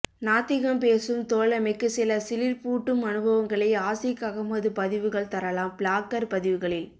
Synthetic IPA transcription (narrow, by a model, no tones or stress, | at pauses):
naːt̪ːɪɣɐmpeːsɯmt̪oːlɐmɛɪkːɯsɪlɐsɪlɪɾpuːʈːɯmɐnɯbʱɐʋɐŋɡɐɭɐɪaːsɪkɐɣɐmɐðɯpɐðɪʋɯɣɐɭt̪ɐɾɐlaːmpɭaːkɐɾpɐðɪʋɯɣɐɭɪl